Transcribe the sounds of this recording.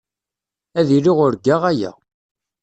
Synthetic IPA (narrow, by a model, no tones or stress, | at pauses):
æðiɾiʁʊɾɡaʁæjæ̰